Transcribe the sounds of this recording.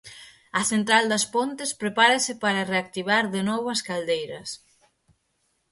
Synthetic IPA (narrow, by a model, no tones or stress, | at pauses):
ɐθent̪ɾald̪ɐspont̪ɪspɾepaɾɐsɪpaɾɐreak̚t̪iβ̞aɾðenɔβɐskald̪ejɾɐs